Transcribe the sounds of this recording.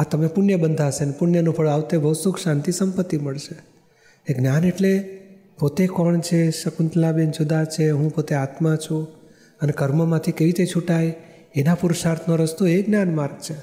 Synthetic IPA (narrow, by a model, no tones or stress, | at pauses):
at̪əmepʊnjəbənd̪ʱaʃenepʊnjənũpʰəɭaʋt̪ebʱəʋsukʃãnt̪isəmpət̪ːiməɭʃe | eɡnjaneʈle | pot̪ekɔɳt͡ʃʰeʃəkunt̪labend͡ʒud̪at͡ʃʰeɦũpot̪eat̪mãt͡ʃʰũ | ənekəɾməmãt̪ʰikeʋit̪et͡ʃʰuʈaj | enapuɾuʃaɾt̪ʰnoɾəst̪oeɡnjanmaɾɡ̚t͡ʃʰe